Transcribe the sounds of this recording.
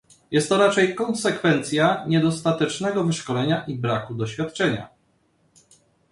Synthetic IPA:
jɛst̪ːɔɾat͡ʂɛjkɔnsɛkfɛnt̪sʲjaɲɛd̪ɔst̪at̪ɛt͡ʂnɛɡɔvɘʂkɔlɛɲaʔibɾakud̪ɔɕfʲjat̪ːt͡ʂɛɲa̰

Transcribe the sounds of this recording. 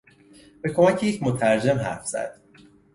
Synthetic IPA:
b̥e̞kʰo̞mæcʰejecʰmot̪ʰæɾd͡ʒe̞mɦæ̰ɾfz̥æ̰d̪̥

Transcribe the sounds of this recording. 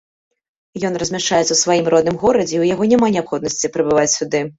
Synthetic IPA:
jɔnrɐzʲmʲaʂt͡ʂajɛt̪sɐwsvajimrɔd̪nɨmɣɔɾɐd͡zʲɛuwjaɣɔnʲamanʲɛapxɔd̪nɐsʲt͡sʲipɾɨbɨvat͡sʲsʲud̪ɨ

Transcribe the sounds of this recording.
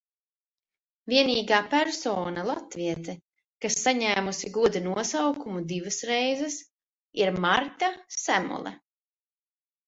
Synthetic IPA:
vʲiɛniːɡaːpæɾsɔːnalˠat̪viɛt̪ɛ | kasːaɲæːmusiɡuɔd̪inuɔsawkumud̪ivasɾɛjzɛs | iɾmaɾt̪asæmṵlˠɛ̰

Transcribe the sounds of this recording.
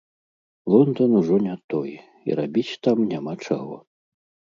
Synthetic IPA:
lˠɔnd̪ɔnuʐɔnʲat̪ɔj | ḭɾabʲit͡sʲt̪amnʲamat͡ʂa̰ɣɔ̰

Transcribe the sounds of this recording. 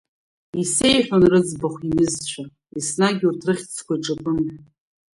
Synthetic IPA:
ise̞jħᶣanrɨd͡zbaχʷinɨzt͡ɕʷʰa | isnaɡʲurtʰrɨχʲt͡sʰkʷʰaiʈ͡ʂʼapʼɨm

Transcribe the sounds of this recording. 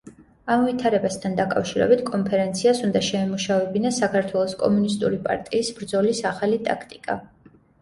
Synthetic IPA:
amvit̪ʰaɾɛbast̪ʰand̪akʼafʃiɾɛ̰bit̪ʰkʼɔmpʰɛɾɛnt̪sʰiasund̪aʃɛɛmuʃavɛbinasakʰaɾt̪ʰwɛlˠɔskʼɔ̰munist̪ʼuɾipʼa̰ɾt̪ʼiːsbɾd̪zɔlisaχalit̪ʼa̰kʰt̪ʼikʼa̰

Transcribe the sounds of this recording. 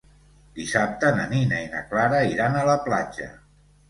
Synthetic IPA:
d̪̥isap̚t̪ənəninainə̰klaɾəiɾanələplad͡ʒə̰

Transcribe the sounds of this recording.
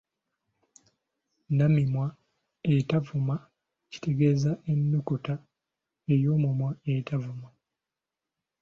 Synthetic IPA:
namimwa | etavuma | ci̥te̞ɡe̞ːzaʔenːukuta | ejo̞ːmumwaetʰavuma

